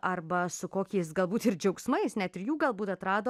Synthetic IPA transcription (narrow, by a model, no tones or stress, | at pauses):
ʔɐrbɐsʊkoːkʲɛɪsɡɐlˠbuːt̪ɪɾd͡ʒʲɛʊksmɐɪsnʲɛt̪ɪɾjuːɡɐlˠbuːt̪ɐt̪ɾɑːd̪oː